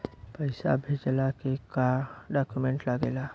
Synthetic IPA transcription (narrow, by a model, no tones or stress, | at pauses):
pəɪsa̰bʱed͡ʒəlakekaɖakjumẽɳʈlaɡeːla